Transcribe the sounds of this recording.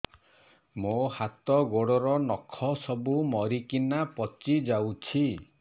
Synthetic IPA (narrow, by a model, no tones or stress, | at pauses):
mohat̪ɔɡoɽɔɾɔnɔkʰɔsɔbumɔɾikinapɔt͡ʃid͡ʒawt͡ʃʰi